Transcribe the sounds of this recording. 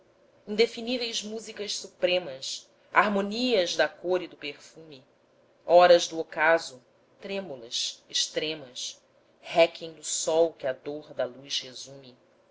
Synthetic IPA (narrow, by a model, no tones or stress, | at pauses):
ĩd̪efinivejzmuzikɐʃsupɾẽmɐs | aɾmoniɐzd̪ɐkoɾid̪ʊpeχfumi | ɔɾɐzd̪ʊokazʊ | t̪ɾẽmulɐsiʃt̪ɾẽmɐs | hɛkẽj̃d̪ʊsɔwkɪɐd̪oɾd̪ɐlujʃhezũmɪ